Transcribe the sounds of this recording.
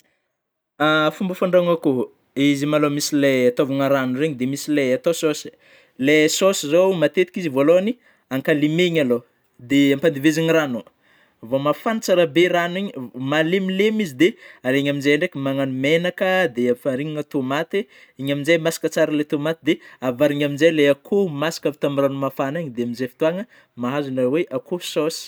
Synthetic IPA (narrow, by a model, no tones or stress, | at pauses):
afumbəfaɳɖ͡ʐaŋəku | izimalomisileat̪ovuŋəɾanureɲid̪emisileat̪ososi̥ | lesosizowmat̪et̪i̥kizivoloani | aŋkalimeiɲalo | d̪eampand̪iveziɲirano | vomafanit͡saɾabeɾaniɲimalemilemizid̪ealeɲaminzejɳɖ͡ʐekʲəmaŋanumenakəd̪eafaɾiŋaŋət̪omat̪e | iɲaminzajmasi̥kət͡saɾəlet̪omat̪id̪eavaɾiɲaminzajleakʰomasi̥kavit̪amiranumafanaɲid̪eaminzejfi̥t̪uaŋə | maɦazunaweʔakososi̥